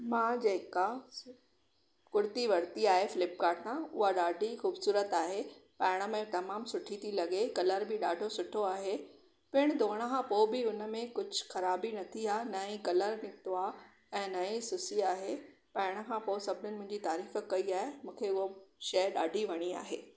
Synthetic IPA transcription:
mãːd͡ʑeːka | kʊɾt̪iʋɐɾt̪iaːɦefɪlɪp̚kaːʈãʊ̰ɦaɗaːɖʱixuːbsuːɾət̪aːɦepɐ̃ːɪɽ̃ə̆mẽt̪ɐmaːmsʊʈʰit̪ʰilɐɠekɐləɾbɪɗaːɖʱosʊʈʰoaːɦe | pɪɽ̃d̪ʱoːɽ̃əkʰãpoːbɪʊnə̆mẽkʊd͡ʑʱʊxɐɾaːbinɐt̪ʰiaːnɐĩkɐləɾnɪkt̪oaː | ɛ̃ːnɐĩsʊsiaːɦe | pɐɪɽ̃ə̆kʰãːpoːsɐbʱɪnʊnɪmʊ̃ɦɪ̃ɲd͡ʑit̪aːɾiːxkːɐiaːɦemũːkʰeʊɦoʃɐɗaːɖʱiʋɐɽ̃ia̰ːɦeː

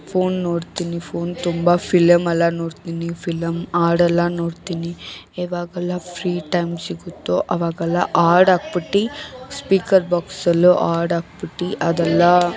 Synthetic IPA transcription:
pʰoːnːoːɽt̪iːnipʰoːnt̪umbapʰilɐmɛlːɐnoːɽt̪iːnipʰilɐmaːɾɖɛlːɐnoːɽt̪iːni | ɛːʋaːɡɐlːapʰɾiːʈɐjmsiɡut̪ːoʔɐʋaːɡɛlːa̰ʔaːɾɖaːɡ̚piʈːispiːkɐɾbaːksɐlːuʔaːɾɖaːk̚piʈːiʔɐd̪ɛlːa

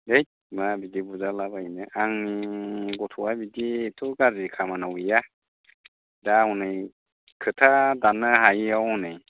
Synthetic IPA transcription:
dejt̚ | mabidibuzalabainɯʔaŋniɡɔtʰuabiditʰuɡazikʰamanawija | daɔnɯj | kʰɯtʰadanɯɦajiawɔnɯj

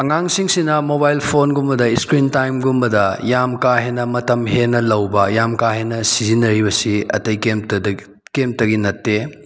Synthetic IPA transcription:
ɐŋaŋsiŋsinɐmobajlpʰonɡumbɐdɐiskɾintajmɡumbɐdɐjamkaɦenːɐmɐtɐmɦenɐlɐwbɐjamkaɦenːɐsizinɐɾibɐsiɐ̰tɐjkem | kemtɐɡinɐtːe

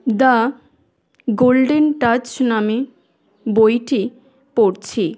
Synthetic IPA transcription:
da | ɡolɖenʈat͡ɕname | bojʈi | poɾt͡ɕʰi

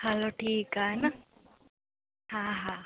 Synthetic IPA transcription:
hɐloːʈʰiːkaːna | ɦãɦa

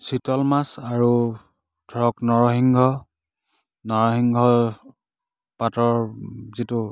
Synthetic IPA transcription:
sitɔlmasaɹu | dʰʱɔɹɔknɔɹɔɦiŋɡʱɔ | nɔɹɔɦiŋɡʱɔ | patɔɹzitu

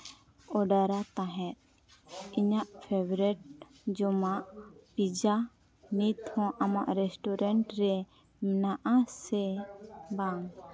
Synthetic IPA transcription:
ɔɖaɾat̪aɦɛ̃t̪̚ | iɲaʔpʰebɾɛʈ̚ | d͡ʒɔmaʔpid͡ʒa | nit̪hɔ̃ʔamaʔɾɛsʈɔɾɛɳʈɾɛ | mɛnaʔasɛbaŋ

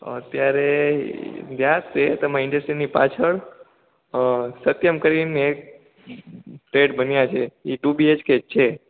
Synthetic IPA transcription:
ə̰t̪jaɾe | d̪ʱjat̪ːet̪əmãɪɳɖəsʈɾinipa̰t͡ʃʰəɭ | sət̪jəmkəɾinek̚ | ʈɾeɖbənjat͡ʃʰeiʈubied͡ʒket͡ʃʰe

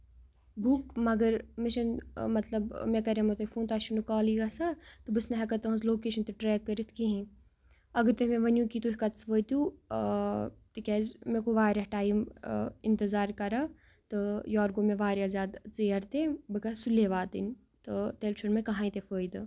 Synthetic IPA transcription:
bukmɐɡɐɾmeʃɐnmɐt̪lɐbmẽkɐɾemɐt̪ofuːnt̪aːʃunukaːliɡɐsɐt̪ɨbɨsnɐɦɐkɐt̪ɐɦɐ̃zloːkeːʃɐnt̪ɨʈɾɛːkːɐɾit̪ʰkiɦĩ | ɐɡɐɾt̪emẽʋɐnjũkit̪uikɐt̪t͡sʋəːjt̪u | t̪ɨkʲaːzmekuʋaːɾeʈaːjimɪnt̪ɐzaːɾkɐɾa | t̪ɨjaːɾɡomẽʋaːɾjazʲaːd̪t͡sɐjɐɾt̪ebɨkɐsulːeʋaːt̪ɨ̰n | t̪ɨt̪elt͡ʃʰunmẽkɐɦãːĩt̪efəːjd̪ɨ

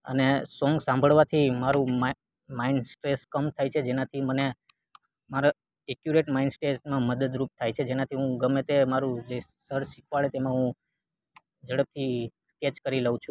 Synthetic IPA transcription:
ə̰nesɔ̃ŋɡsãmbʱəɭʋat̪ʰimaɾũm | mainsʈɾeskəmt̪ʰajt͡ʃʰed͡ʒenat̪ʰiməne | maɾa | ekjuɾeʈmainsʈɾesmãməd̪əd̪ɾup̚t̪ʰajt͡ʃʰed͡ʒenat̪ʰiɦũɡəmet̪emaɾũd͡ʒesəɾʃikʰʋaɭet̪emãɦũ | d͡ʒəɽəb̚t̪ʰi | ket͡ʃkəɾiləũt͡ʃʰũ

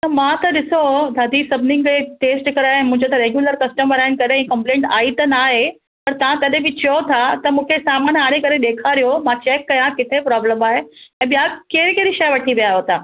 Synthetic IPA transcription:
t̪ɐmãt̪ɐɗɪsod̪ʱaːd̪ʱiːsɐbnɪ̃ŋɡeʈeːsʈkɐɾaːɛ̃mʊ̃ɦɪ̃ɲd͡ʑot̪ɐɾeːɡjuːləɾkɐsʈəməɾaːɪn̆kɐɗẽkɐ̃mplẽːɳʈaːit̪ɐnaːɦe | pɐɾt̪ɐʋãk̪ɐɗẽbɪt͡ɕɐjot̪ʰat̪ɐmũːkʰesaːmaːnɦaːɽ̃ekɐɾeɗ̪eːkʰaɾijomãt͡ɕeːkːɐjãkɪt̪ʰepɾɔːbləmaːɦeɛ̃ːɓijakeːɾkeːɾiʃɐjʋɐʈʰiʋijaːɦot̪ʰaː

